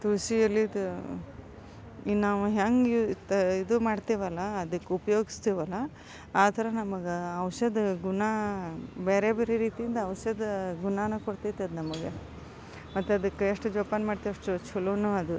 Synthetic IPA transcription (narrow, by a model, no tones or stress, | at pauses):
t̪uɾsiɐlːiːd̪u | inaːʋuɦeːŋɡt̪ɐid̪umaːɖt̪iːʋɐlːɐːd̪ɐkːeupɐjoːɡist̪iːʋɐlːɐ | aːt̪ʰɐɾɐnɐmɐɡeɐʋʃɐd̪ɡuna | beːɾeːbeːɾeɾiːt̪ijind̪ɐɐʋɐʃɐd̪ɡunaːnɐkoɽt̪it̪eɐd̪nɐmɐɡe | mɐt̪ːeɐd̪ɐkːeeʂʈud͡ʒoːpaːnmaːɖt̪iʋɐʂʈut͡ʃʰulunuɐd̪u